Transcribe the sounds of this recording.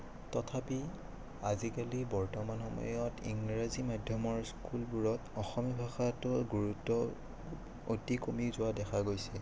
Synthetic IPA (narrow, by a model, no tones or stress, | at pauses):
tɔtʰapi | azikalibɔɹtɔmanxɔmɔ̰jɔtḭŋɹazimadʱjɔmɔɹskulbuɹɔtɔxɔmjɔbʱaxatʊɡuɹutːɔ | otikomizʊadɛxʰaɡojsɛ